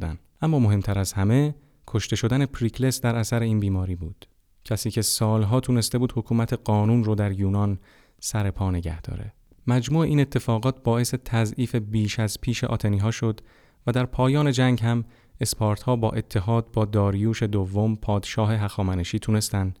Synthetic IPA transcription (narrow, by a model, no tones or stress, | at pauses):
d̪æ̰nʔæmːɒːmo̞ɦe̞mt̪ʰæɾæzhæme̞ | kʰo̞ʃt̪e̞ʃo̞d̪ænepʰɾikle̞sd̪æɾæsæɾe̞iːnbiːmɒːɾiːbuːd̪̥ | cʰæsiːcʰe̞sɒːlɦɒːt̪ʰune̞st̪e̞buːd̪ho̞kʰuːmæt̪ʰe̞ɢɒːnuːnrod̪æɾjuːnɒn | sæɾe̞pʰɒːne̞ɟæ̰hd̪̥ɒ̰ːɾe̞̰ | mæd͡ʒmuːe̞ʔiːne̞t̪ʰːe̞fɒːɣɒːt̪̚ʰbɒːe̞se̞t̪ʰæzʔiːfe̞biːʃæzpʰiːʃe̞̰ʔɒ̰ːt̪ʰeniːɦɒːʃo̞d̪ | væd̪æɾpʰɒːjɒːne̞d͡ʒæŋɟhæm | e̞spʰɒːɾt̪hɒːbɒːʔe̞t̪ʰːe̞ɦɒːd̪̚bɒːd̪ɒːɾijuːʃe̞d̪ovːo̞mpʰɒːd̪ʃɒːɦe̞ɦæxɒːmæneʃiːt̪ʰune̞st̪ænd̪